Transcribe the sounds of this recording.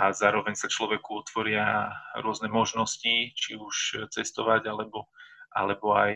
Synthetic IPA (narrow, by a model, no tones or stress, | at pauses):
azaːɾɔʋɛɲsat͡ʃlɔʋɛkuɔt̪ʋɔɾɪaɾʊɔznɛmɔʒnɔscit͡ʃiuʃt͡sɛst̪ɔʋaɟalɛbɔʔa̰lɛbɔaj